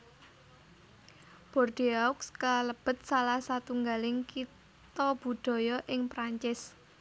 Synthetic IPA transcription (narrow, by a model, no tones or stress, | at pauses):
b̥ɔ̤rd̥iaʊkskələb̥ə̤t̪̚salahsat̪uŋɡalɪŋkit | t̪ɔb̥ṳɖ̪̥ɔ̤jɔʔɪŋpɾaɲt͡ʃɪs